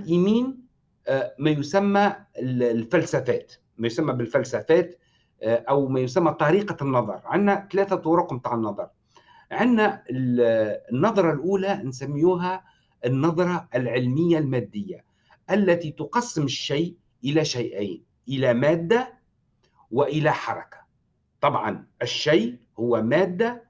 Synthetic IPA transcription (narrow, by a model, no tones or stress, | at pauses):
lʔiːmiːn | mæjʊsæmːæ | lfælsæfæːt̪ | mæjʊsæmːæbɪlfælsæfæːt̪ | ʔæwmæjʊsamːæt̪ˤɑɾiːqɑnːɑðˤɑ̰ɾˤʕɪnːæt̪læːθat̪ˤʊɾʊqmt̪aʕənːɑðˤɑɾˤ | ʕɪnːæɪlnːɑðˤɾˤɑlʔuːlænsæmːjuːɦæ | ʔɪnːɑðˤɾˤɑɪlʕɪlmɪjːalmæːd̪ːɪjːa | ʔælːæt̪it̪ʊqɑsːɪmɪʃːaj | ʔɪlæʃajʔaːn | ʔɪlæmæːd̪ːa | wɪʔɪlæħɑɾˤɑ̰kḁ | t̪ˤɑbʕɑnʔɪʃːajʔ | hʊwːæmæːd̪ːa